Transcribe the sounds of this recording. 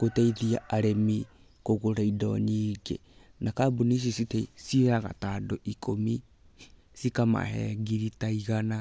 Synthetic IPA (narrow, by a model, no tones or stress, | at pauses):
koteiðiaʔaɾemi | koɣoɾaidɔ̰ɲiːɡḛ | nakabuniʃ̬isiteisiɾaɣa̰tadoʔikʰomi | sikama̰hɛ̰ɡiɾitaiɣana